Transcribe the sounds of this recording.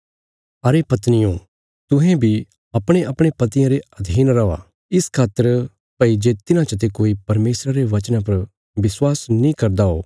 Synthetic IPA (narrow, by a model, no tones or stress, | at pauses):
ɐɾepɐt̪nɪjõ | t̪ʊ̃ɦɛ̃bʱi | ɐpɽ̃ẽʔɐpɽ̃ẽpɐt̪ɪjãɾeɐd̪ʱiːnɾɐʋa̰ | ɪskʰaːt̪ːəɾ | pɐid͡ʒeːt̪ɪnãt͡ʃət̪̬ekoːipɐɾmeːsɾaɾeʋɐt͡ʃnãpɐɾ | ʋɪswaːsnĩkɐɾd̪ao̰ː